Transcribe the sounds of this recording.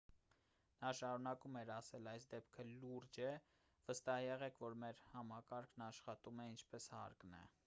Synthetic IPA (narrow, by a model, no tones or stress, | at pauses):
nɑʃɑɾunɑkumɛɾɑsɛlɑjsd̪ɛpkʰəluɾd͡ʒɛ | vəst̪ɑhjɛʁɛkʰvɔɾmɛɾhɑmɑkɑɾkʰnɑʃχɑt̪umɛint͡ʃʰpɛshɑ̰ɾknɛ̰